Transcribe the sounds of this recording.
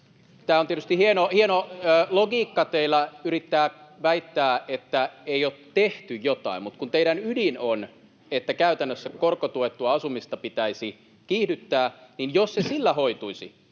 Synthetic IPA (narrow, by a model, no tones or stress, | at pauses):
t̪æːoniet̪yst̪ihienohienoːloɡiːkːɑt̪eilːˑæyɾit̪ːæːʋæit̪ːæːʔet̪ːæeioːt̪teht̪yjjot̪ɑ̰immut̪kunt̪eiɾænydinon | et̪ːækæyt̪ænːøsːækkorkot̪uet̪ːuɑɑsumist̪ɑpit̪æisi | kiːhdyt̪ːæːninjossesilːæhoit̪uisḭ